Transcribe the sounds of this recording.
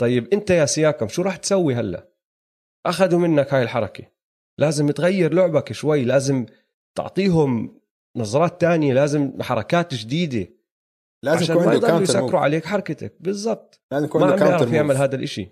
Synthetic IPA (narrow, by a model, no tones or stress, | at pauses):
t̪ˤɑjːɪbʔɪnt̪ajasɪjaːkamʃuːɾˤɑːħt̪sawːiɦalːa̰ | ʔaxaðumɪnːakhaːjɪlħɑɾˤɑka | laːzɪmt̪ɣajːɪɾlʊʕbakʃwajːlaːzɪm | t̪ɪ̰ʕt̪ˤiːɦʊm | nɑzˤɑɾˤɑːt̪ːaːnɪjelaːzɪmħɑɾˤɑkaːt̪d͡ʒd̪iːd̪e | aaʃaːnad̪ˤɑlujsakːɾuʕa̰leːkħɑɾˤɑkat̪a̰k̚bɨzˤːɑb̚t̪ˤamalamɪʕɾˤfjɪʕmɪlɦaːd̪alʔɪʃḭ